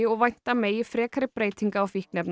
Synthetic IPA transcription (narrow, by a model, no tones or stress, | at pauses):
ɪɔʋajɲ̥t̪amɛifɾeːkʰaɾɪpɾeːjt̪ʰɪŋkaɔfɪhknɛpn